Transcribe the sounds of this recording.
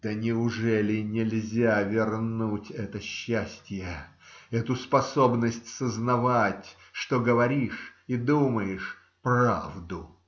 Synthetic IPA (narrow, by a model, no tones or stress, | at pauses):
d̪̥ənʲɪʊʐɛlʲɪnʲɪlʲzʲavʲɪrnutʲɛt̪əɕːæsʲtʲjə | ɛt̪ʊspɐso̞bnəsʲtʲsəznɐvatʲ | ʂt̪oɡəvɐɾʲiʂid̪uməjɪʂ | pra̰vd̪ʊ